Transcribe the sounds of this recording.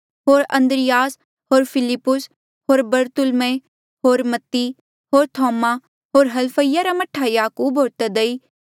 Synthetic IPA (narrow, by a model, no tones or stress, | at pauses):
ɦoːɾɐ̃nd̪ɾɪjaːs | ɦoːɾpʰɪlɪpːʊs | ɦoːɾbɐɾt̪ʊlmẽ | ɦoːɾmɐt̪ːi | ɦoːɾt̪ʰɔːma | ɦoːɾɦɐlpʰəijaɾamɐʈʰːajaːkuːbɦoːt̪ed̪eiː